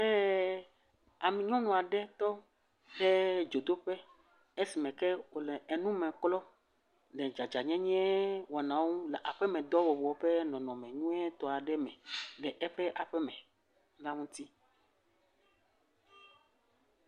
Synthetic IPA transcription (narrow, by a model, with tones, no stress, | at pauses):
ɛ˦ | a˨mĩ˨ɲɔ̃˦nɔ̃˨a˨ɖɛ˦t̪ɔ˦ | ɖɛ˦d͡ʒo˨d̪o˦ɸɛ˦ | e˦si˨mɛ̃˨kɛ˦wo˨lɛ˨e˨nũ˦mɛ̃˨klɔ˦ | ɖɛ˨d͡ʒa˨d͡ʒa˨ɲɛ̃˦ɲɛ̃˦wɔ˨nã˨wũ˦lɛ˨ʔa˨ɸɛ˦mɛ̃˨d̪ɔ˦wɔ˨wɔ˨ɸɛ˦nɔ̃˨nɔ̃˨mɛ̃˨ɲũ˦ɛ˦t̪ɔ˨a˨ɖɛ˦mɛ̃˨lɛ˨ʔɛ˦ɸɛ˦ʔa˨ɸɛ˦mɛ̃˨˦ | lã˦ŋũ˦t̪i˦